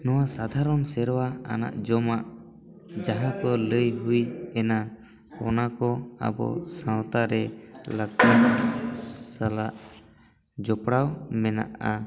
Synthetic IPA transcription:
nɔwasad̪ʱaɾɔnsɛɾɔwaa̰na̰ʔd͡ʒɔmaʔ | d͡ʒaɦãkɔləjɦujɛna | ɔnakɔa̰bɔ̰sãwt̪aɾɛlaɡ̪un | salaʔ | d͡ʒɔpɽawmɛna̰ʔa

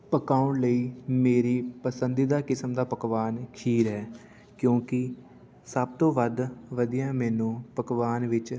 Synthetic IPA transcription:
pəkaːʊɳləiːmeːɾiːpəsənd̪id̪aːkɪsəmd̪aːpəkʋaːnkʰiːɾɦɛː | kjõːkɪ | səb̚t̪õːʋəd̪ʋəd̪ijãːmɛːnũːpəkʋaːnʋɪt͡ʃ

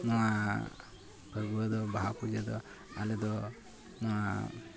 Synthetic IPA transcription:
nɔwa | pʰəɾɡuəd̪ɔbaɦapud͡ʒed̪ɔ̰ | alɛd̪ɔ | nɔwa

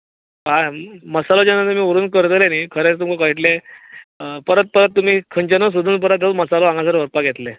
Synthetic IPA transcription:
aməsalod͡ʑanat̪um̤iːoɾuːnkəɾt̪lenikʰəɾet͡st̪umkkəiʈle | pəɾət̪̚pəɾət̪ːum̤iːkʰəɲt͡ɕənos̬ud̪ʱuːnp̬əɾat̪aməsaloãŋɡãs̬əɾʋəɾpaɡʱet̪le

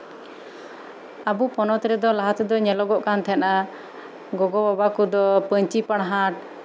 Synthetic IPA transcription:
abupɔnɔt̪ɾɛd̪ɔlaɦat̪ɛd̪ɔɲɛlɔɡɔʔkant̪ʰɛna | ɡɔɡɔbɔbakud̪ɔpəɲt͡ʃipaɽ̃ɦaʈ̚

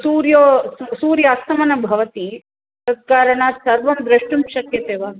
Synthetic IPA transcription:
suːɾjoːsuːɾjɐːst̪ɐmɐnɐbʱɐʋɐt̪i | ɐkaːɾɐɳaːsɐɾʋɐmbɾɐʂʈumʃɐkjɐt̪eːʋaː

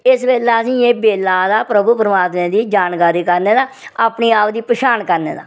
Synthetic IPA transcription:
ɪsbeːlaːəsĩːeːbeːlaːd̪aːpɾəbuːpɾəmaːt̪mẽːd̪iːd͡ʒaːnkaːɾiːkəɾneːd̪aː | aːpniːaːpd̪iːpəʃaːnkəɾnḛːd̪a̰ː

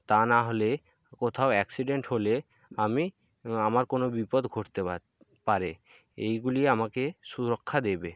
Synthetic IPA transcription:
t̪anaɦole | kot̪ʰaoɛksiɖeɳʈhole | ami | amaɾkonobipod̪ɡʱoʈt̪ea | paɾe | ejɡuliamakeʃuɾokʰːad̪ebe

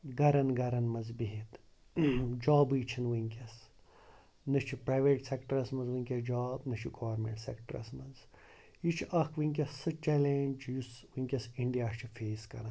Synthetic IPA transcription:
ɡɐɾɐnɡɐɾɐnmɐzbiɦit̪ | d͡ʒaːbɨjt͡ʃʰinwiŋkʲɐs | nɨt͡ʃʰipɾaːjʋeːʈsekʈɐɾɐsmɐnzʋɨŋkʲɐd͡ʒaːbnɨt͡ʃʰiɡoʋɐɾmḛʈsḛkʈɾɐ̰smɐnz | jit͡ʃʰʔɐkʰʋiŋk̬ʲɐsɨt͡ʃelend͡ʒjuswiŋkʲɐsiɳɖijaːʃt͡ʃʰifʰeːskɐ̰nɐ

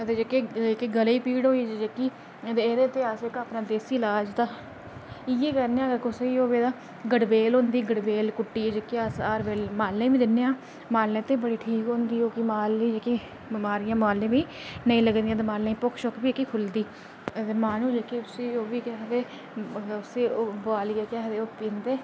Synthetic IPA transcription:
ət̪eːd͡ʒeːkeːd͡ʒekeːɡəliːpiːɽɦoːiːd͡ʒd͡ʒeːkiː | t̪eːeːɾeːt̪eːaːsekaːpnaːd̪eːsilaːd͡ʒt̪aː | ɪeːkəɾneːãːkʊseiːoːbeːd̪ãː | ɡəɽbeːlɦõːnd̪iːɡəɽbeːlkʊʈːiːed͡ʒekːeːasaːɾbeːlmaːlːẽːbiːd̪ɪnːeːãː | maːlnẽːt̪eːbəɽiːʈʰiːkɦõːnd̪iːoːkimaːlːiːd͡ʒekeː | maːɾɪjãːmaːlːẽːbiː | nəĩːləɡnd̪ijãːd̪eːmaːlːẽĩːpʊkʰʃokbiːkːiːkʰʊld̪iː | t̪eːmaːnũːd͡ʒekeʊseːoːʋiːkɛːɦd̪eː | ʊseːobaːlɪjaːkɛːɦd̪eːoːpiːnd̪eː

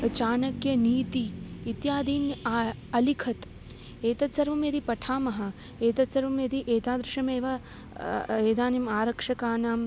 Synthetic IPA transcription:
t͡ʃaːnɐkjɐniːt̪iit̪jaːd̪ʱiːnjaɐlikʰɐt̪ | eːt̪ɐt̪sɐɾʋɐmjɐd̪ipɐʈʰaːmɐɦɐ̆ | eːt̪ɐt̪sɐɾʋɐmjɐd̪iʔeːt̪aːd̪ɾɪʃɐmeːʋɐ | eːd̪aːnimaːɾɐkʂɐkaːnaːm

